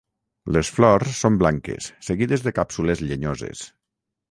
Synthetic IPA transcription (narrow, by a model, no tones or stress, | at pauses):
lesflɔɾsːomblaŋkḛsːeɣiðezðekapsulezʎeɲozḛs